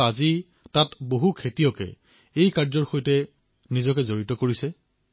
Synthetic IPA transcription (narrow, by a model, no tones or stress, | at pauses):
azi | tatboɦukʰetijɔkɛ̰ | ejkaɹzɔɹxojtɛ | nizɔkɛzoɹitɔkoɹisɛ